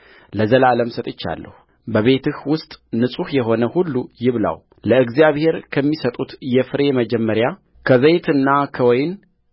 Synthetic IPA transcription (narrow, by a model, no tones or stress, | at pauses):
ləzəlaləmsət̪ʼɨt͡ʃːa̰lːə̰hu | bəβe̞t̪ʰɨhwʊst̪ʼnɨsʼuhjɛɦo̞nəhulːujɪβla̰w | ləɨɡzijaβhe̞ɾkʰəmːisət̪ʼut̪jɛfɨɾe̞məd͡ʒɛmːəɾja | kʰəzəjt̪ʰɨnːakʰəwɔjn